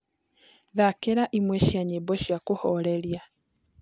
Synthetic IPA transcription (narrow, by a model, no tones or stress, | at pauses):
ðakeɾaʔimweʃaɲebɔʃjakuhɔleɾja